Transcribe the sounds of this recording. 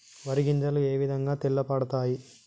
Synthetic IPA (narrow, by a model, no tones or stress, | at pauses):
ʋɐɾiɡind͡ʒɐlue̞ːʋid̪ʱɐŋɡaːt̪ilːɐpɐɽɐt̪aːji